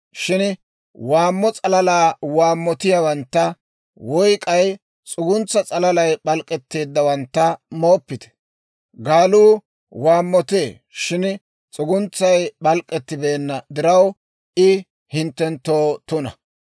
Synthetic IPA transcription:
ʃɪn | waːmːɔt͡sʼɐlɐlaːwaːmːɔt̪ɪjawɐnt̪ːɐ | wɔjkʼɐj | t͡sʼʊɡʊnt͡sːɐt͡sʼɐlɐlɐjɓɐlkʼːɛt̪ːe̞ːd̪ːɐwɐnt̪ːɐmo̞ːpːɪt̪ɛ̥ | ɡaːluː | waːmːɔt̪e̞ː | ʃɪn | t͡sʼʊɡʊnt͡sːɐjɓɐlkʼːɛt̪ːɪbeːnːɐd̪ɪɾɐw | ɪ | hɪnt̪ːɛnt̪ːoːt̪ʊnɐ

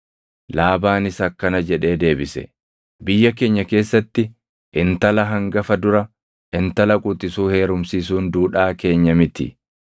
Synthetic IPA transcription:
laːbaːnɪsɐkːɐnɐd͡ʒɛᶑe̞ːd̪e̞ːbɪsɛ̰ | bɪjːɐk̬e̞ːɲːɐke̞ːsːɐt̪ːɪ | ʔɪnt̪ɐlɐɦɐŋɡɐfɐd̪ʊɾɐ | ɪnt̪ɐlɐkʼʊt̪ɪsuːhe̞ːɾʊmsiːsuːnd̪uːᶑaːke̞ːɲːɐmɪt̪ɪ̰

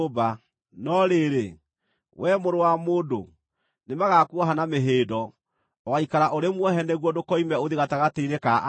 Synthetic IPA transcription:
ba | nɔɾeɾe | wʔɛmoɾowamoːdo̰ | nemaɣakuɔɦanameɦeːdɔ | ɔwaikaɾaʔoɾemwɔɦɛnɛɣwɔdokɔimɛoðiɣataɣateiɾekaʔ

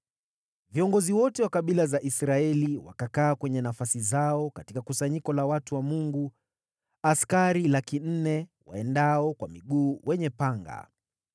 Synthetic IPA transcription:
viɔŋɡɔziwɔtɛwakaɓilazaʔisɾaɛliwa̰kakaːkwɛɲɛnafasizaɔkatikakusaɲikɔlawatuwamuŋɡu | askaɾilakin̩nɛwa̰ɛndaɔkwamiɠuːwʔɛɲɛpaŋɡa̰

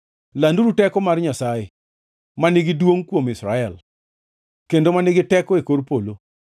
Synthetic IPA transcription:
landuɾutɛkɔmarɲasaje | manɪɡɪdwoŋkwomɪsɾaɛl | kendomanɪɡɪtɛkɔekoɾpolo

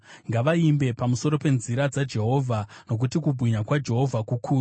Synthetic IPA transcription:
ŋɡaʋaimbe̞pamuso̞ɾo̞pe̞nziɾad͡zad͡ʒe̞ɦo̞ːvʱano̞k̬utikubʱwiɲakwad͡ʒe̞ɦo̞vʱakukʰuː

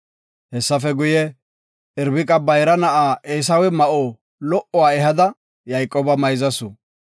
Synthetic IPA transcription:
hɛsːɐfɛɡʊjɛ | ɪɾbɪkʼɐbɐjɾɐnɐʔaːʔeːs̬ɐwɛmɐʔoː | lɔʔɔwaːɛɦɐd̪ɐ | jɐjkʼːoːbɐmɐjzɐsʊ

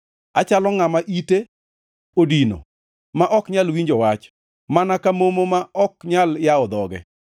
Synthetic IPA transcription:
a̰t͡ʃalɔŋamaʔite | odino̰ | maʔɔkɲalwiɲd͡ʒɔwat͡ʃ | manakamomomaɔkɲaljaɔd̪ɔɡɛ̰

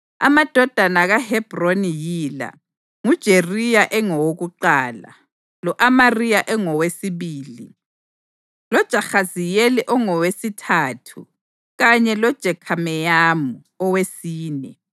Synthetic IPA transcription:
a̰mad̥ʱɔd̥ʱanaɣahɛb̥ronijiːla̰ | ŋud̥ʒ̥ʱerijaʔɛŋɔwoɣuǃaːla̰ | lɔʔamarijaʔɛŋɔwesiβiːli | lɔd̥ʒ̥ʱaxazijɛliʔɔŋɔwesitʰaːtʰṵ | ɣaɲɛlɔd̥ʒ̥ʱɛkʰamɛjamu | ɔwesiːnɛ

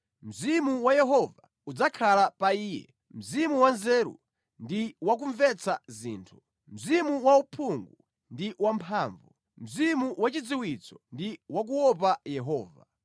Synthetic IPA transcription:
m̩zimuwajɛɦɔva | ud͡zakʰalapaiːjɛ̰ | m̩zimuwanzɛːɾṵ | ndiwak̬uɱvɛt͡sazḭːntʰu̥ | m̩zimuwaupʰuŋɡu | ndiwampʰaːɱvu | m̩zimuwat͡ʃid͡ziwit͡sɔ̥ndiwak̬uwɔp̬ajɛɦɔːva

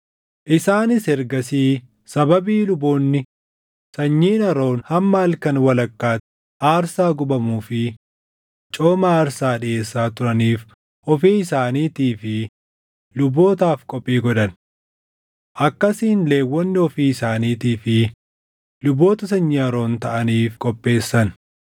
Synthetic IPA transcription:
ʔɪsaːnɪsɛɾɡɐsiː | sɐbɐbiːlʊboːnːɪ | sɐɲːiːnɐɾo̞ːnhɐmːaːlkɐnwɐlɐkːaː | aːɾsaːɡʊbɐmuːfɪ | t͡ʃʼoːmaaːɾsaːᶑɪe̞ːsːaːt̪ʊɾɐniːf | ɔfiːɪsaːniːt̪iːfɪ | lʊbːo̞ːt̪aːfkʼɔpʼːiːɡɔᶑɐn | ʔɐkːɐsiːnle̞ːwːɔnːɪɔfiːɪsaːniːt̪iːfɪ | lʊbo̞ːt̪ɐs̬ɐɲːiɐɾo̞ːnt̪ɐʔɐniːfkʼɔpʼːe̞ːsːɐn

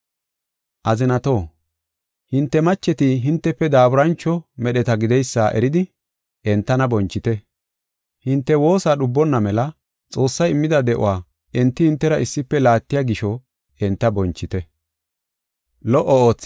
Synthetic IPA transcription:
ʔɐzɪnɐt̪o̞ː | hɪnt̪ːɛmɐt͡ʃːɛt̪ɪɦɪnt̪ːɛpːɛd̪aːbʊɾɐnt͡ʃːɔmɛɗɛt̪ɐɡɪd̪ɛjsːaːʔɛ̰ɾɪd̪ɪ | ʔɛnt̪ːɐnɐbɔnt͡ʃːɪt̪ɛ | hɪnt̪ːɛwo̞ːsaːɗʊbːɔnːɐmɛlɐ | t͡sʼo̞ːsːɐjɪmːɪd̪ɐd̪ɛʔʊ̰waː | ʔɛnt̪ːɪhɪnt̪ːɛɾɐʔɪsːɪpːɛlaːt̪ːɪjaɡɪʃɔ | ʔɛnt̪ːɐbɔnt͡ʃːɪt̪ɛ | lɔʔɔo̞ːt͡sː

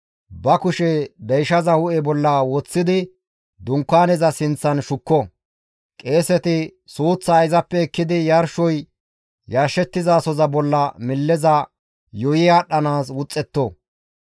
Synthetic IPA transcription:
bɐkʊʃɛd̪ɐjʃɐzɐhʊʔɛbɔlːɐwɔt͡sːɪd̪ɪ | d̪ʊŋkːaːnɛzɐsɪnt͡sːɐnʃʊkːɔ | kʼe̞ːsɛt̪ɪsuːt͡sːaːɪzɐpːɛɛkːɪd̪ɪjɐɾʃɔj | jɐɾʃɛt̪ːɪzaːsɔzɐbɔlːɐmɪlːɛzɐ | jɔjɪjaːɗɐnaːs̬wʊt͡sʼːɛt̪ːɔ

